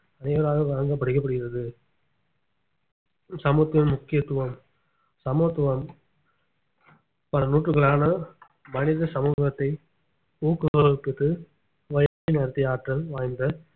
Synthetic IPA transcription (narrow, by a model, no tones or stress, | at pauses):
ɐnɐɪʋɐɾaːɣɐʋaːɐŋɡɐpːɐɽɯkːɐp̬ːɐɽɯɣɪɾɐðɯ | sɐmɯɐt̪ːɪnmʊkːɪjɐt̪ːʊʋɐm | sɐmɯɐt̪ːɯʋɐm | pɐlɐnuːʈrɯɣɐɭaːnɐ | mɐnɪðɐsɐmuːɣɐt̪ːɐɪ | uːkːɯɐkːɯt̪ːɯ | ʋɐjɐt͡ʃːineːɾɐt̪ːɪjaːʈrɐlʋaːjnd̪ɐ